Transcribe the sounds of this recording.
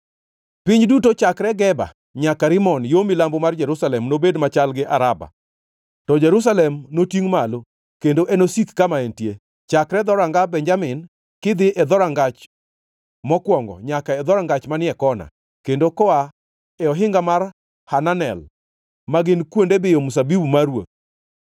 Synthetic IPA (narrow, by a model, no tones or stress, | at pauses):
piɲdutot͡ʃakɾɛɡɛba̰ | ɲakaɾɪmɔnjomilambomard͡ʒɛɾusalɛmnobedmat͡ʃalɡɪʔaɾaba̰ | tɔd͡ʒɛɾus̬alɛmnotiŋmalo | kendoʔɛnosit̪kamaentje | t͡ʃakɾɛd̪ɔɾaŋɡabɛnd͡ʒamɪn | kɪd̪ɪʔɛd̪ɔɾaŋɡat͡ʃ | mɔkwɔŋɡɔ̰ɲakaɛd̪ɔɾaŋɡat͡ʃmanɪɛkɔna̰ | kendokɔa | ɛɔɦɪŋɡamar | hananɛ̰l | maɡɪnkwondebɪjomus̬abibumaɾwo̰t̪̚